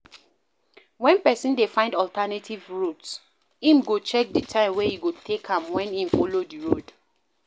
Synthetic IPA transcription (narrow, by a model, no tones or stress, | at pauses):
wɛ̃npɛsĩndefãɪ̃ndɔltɛnatʰivɹuts | ĩmɡot͡ʃɛk̚ditʰãɪ̃mwehiɡotʰekãmwɛ̃nĩmfolodiɹod